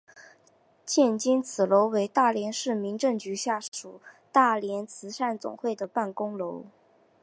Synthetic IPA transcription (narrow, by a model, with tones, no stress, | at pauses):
t͡ɕʰjɛ˥˩nt͡ɕi˥nt͡sʰɹ̩˨˩lo˧˥ʊwe˧˥ɪt̪a˥˩ljɛ˧˥nʂɻ̩˥˩mi˧˥ŋʈ͡ʂɤ˥˩ŋt͡ɕy˧˥ɕja˥˩ʂu˨˩˦ | t̪a˥˩ljɛ˧˥nt͡sʰɹ̩˧˥ʂa˥˩nt͡sʊ̰˨˩ŋxwe˥˩ɪd̪ə˩pa˥˩nkʊ˥ŋlo˧˥ʊ